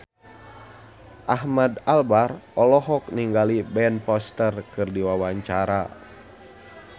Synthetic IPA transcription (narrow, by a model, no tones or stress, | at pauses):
ʔahmadalbarɔlɔɦɔk̚niŋɡalibɛnpɔst̪ərkɨrdiwawaɲt͡ʃaɾa